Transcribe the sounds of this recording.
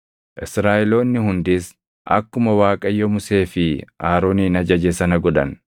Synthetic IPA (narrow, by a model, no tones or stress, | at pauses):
ʔɪsɾaːʔɛlo̞ːnːɪhʊnd̪ɪs | ʔɐ̰kːʊmɐwaːkʼɐjːɔmʊse̞ːfɪaːɾo̞ːniːnɐd͡ʒɐd͡ʒesɐnɐɡɔᶑɐ̰n